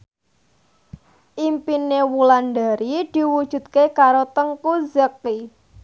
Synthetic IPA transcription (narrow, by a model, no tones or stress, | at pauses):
ʔimpinewulanɖa̤ɾid̪̥i̤wud̥ʒ̥ṳt̪̚kekaɾot̪əŋkuzəki